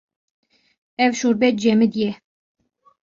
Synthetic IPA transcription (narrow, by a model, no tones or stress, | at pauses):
ɛvʃuɾbɛt̪̚d͡ʒɛmɨd̪jɛ